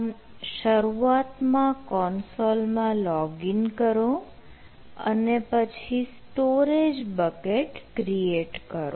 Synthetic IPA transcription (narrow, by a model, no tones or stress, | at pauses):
ʃəɾuat̪mãkɔnsolmãlɔɡinkəɾo | ə̰nepət͡ʃʰisʈoɾed͡ʒbəkeʈkɾieʈkəɾo̰